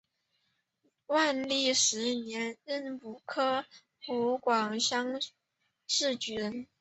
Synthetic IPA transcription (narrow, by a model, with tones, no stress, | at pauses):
wa˥˧nli˥˩ʂɻ̩˧˥njɛ˧˥nɻə˥˩npu˨˩kʰɤ˥ | xu˧˥kwɑ˨˩ŋɕjɑ˥ŋ | ʂɻ̩˥˩t͡ɕy˧˥n